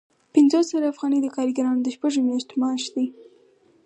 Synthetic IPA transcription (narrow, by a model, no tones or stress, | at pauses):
pɪnzosaɾaafɣɑnid̪əkɑɾiɡaɾɑnod̪əʃpaʒomjɑʃt̪omɑʃd̪i